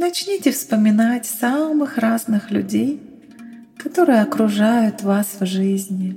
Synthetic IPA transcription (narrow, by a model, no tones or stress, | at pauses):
nɐt͡ɕnʲitʲɪfspəmʲɪnatʲsamɨxraznɨxlʲʉ̰dʲej | kɐt̪o̞ɾɨjɐkɾʊʐajʊt̪vasvʐɨzʲnʲɪ